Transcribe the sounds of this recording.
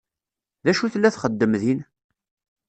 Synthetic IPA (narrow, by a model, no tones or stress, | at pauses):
ðæʃuθlːæθχəd̪ːəmðin